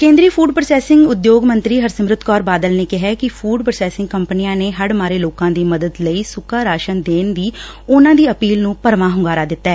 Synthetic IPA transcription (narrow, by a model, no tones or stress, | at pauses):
kẽːnd̪ɾiːpʰuːɖpɾəsɛːsɪŋɡʊd̪joːɡmə̃nt̪ɾiːɦəɾsəmɾʊt̪kɔːɾbaːd̪əlneːkɪɦɛːkɪfʰuːɖpɾəsɛːsɪŋɡkəmpnijãːneːɦəɽmaːɾeːloːkãːd̪iːməd̪əd̪ləiːsʊkaːɾaːʃənd̪eːnd̪iː | ʊnãːd̪iːəpiːlnũːpəɾmãːɦʊŋɡaːɾaːd̪ɪt̪ːɛː